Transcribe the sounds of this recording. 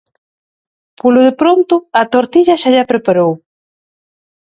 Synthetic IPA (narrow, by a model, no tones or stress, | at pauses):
polʊðepɾont̪ʊɐt̪oɾt̪iʎaʃaʎapɾepaɾow